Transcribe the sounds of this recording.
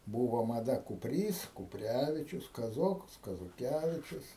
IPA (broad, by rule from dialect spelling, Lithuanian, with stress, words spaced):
ˈbuːʋoː mɐˈdɐ kʊpʲˈrʲiːs kʊpʲˈrʲæːʋʲɪt͡ʃʲʊs kɐˈzoːkɐs kɐzoːˈkʲæːʋʲɪt͡ʃʲʊs